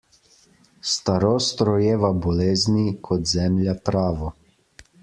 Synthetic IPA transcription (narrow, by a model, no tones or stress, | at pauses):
st̪aɾoːst̪ɾɔjeːʋabɔleːznikʰɔt̪zɛmljat̪ɾaːʋɔ